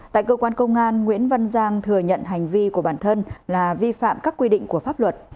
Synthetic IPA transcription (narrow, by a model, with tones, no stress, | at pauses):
t̪a̰ː˧˨jkəː˧kwaː˧nkə˧wŋ͡mʔaː˧nŋwḭ˧˥ənva˧nzaː˧ŋt̪ʰɨ˨˩əɲə̰˧˨nɦa˨˩jŋ̟vi˧ku˧˩əɓaː˧˩nt̪ʰə˧nlaː˨˩vi˧fa̰ː˧˨mkaː˦˥kːwi˧ɗḭ̈˧˨ŋ̟ku˧˩əfaː˦˥p̚lwə˨˩t̚